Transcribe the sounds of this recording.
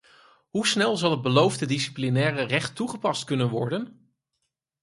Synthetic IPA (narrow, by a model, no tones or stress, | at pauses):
ɦusnɛlˠzɑlˠɦəd̚bəlowvdədisi̥plinɛːrərɛχtːuχəpɑstkɵnənʋɔɹdən